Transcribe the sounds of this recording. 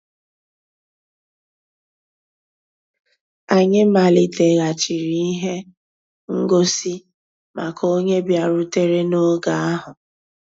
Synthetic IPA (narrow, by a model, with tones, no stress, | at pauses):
a˨ɲɪ˦ma˨li˨te˨ɣa˨t͡ʃi˨ɾi˦i˦ɦe˦ | ŋ̩˦ɡo˦si˦ | ma˨kʰo˦ɲe˦bja˨ɾʊ˦te˦ɾe˦no˦ɡa˨a˦ɦʊ˨